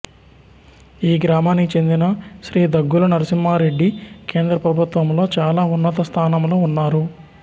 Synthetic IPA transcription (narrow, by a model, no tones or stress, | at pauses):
iːɡɾaːmaːnːikit͡ʃe̞nd̪inɐʃɾiːd̪ɐɡːulɐnɐɾɐsimːaːɾe̞ɖːike̞ːnd̪ɾɐpɾɐbʱut̪ʋɐmlo̞ːt͡ʃaːlaːunːɐt̪ɐst̪ʰaːnɐmlo̞ːunːaːɾu